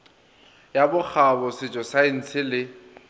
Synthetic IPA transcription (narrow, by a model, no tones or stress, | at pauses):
jabʊk͡xʰabɔsɪt͡ʃʼɔsain̩t͡sʰɪlɪ